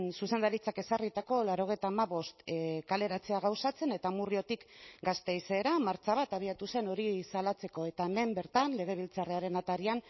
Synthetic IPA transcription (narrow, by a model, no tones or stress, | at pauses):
nsuse̞nd̪aɾit͡sake̞sarit̪ako̞laɾo̞ɣ̞e̞jt̪aːmaβo̞st̪kale̞ɾat͡se̞aɣ̞awsat͡se̞ne̞t̪amurio̞t̪ikɡast̪e̞jse̞ːɾamaɾt͡ʃaβ̞at̪aβ̞iat̪use̞no̞ɾisalat͡se̞ko̞e̞t̪aeme̞mbe̞ɾt̪anle̞ɣ̞e̞β̞ilt͡sareaɾe̞nat̪aɾian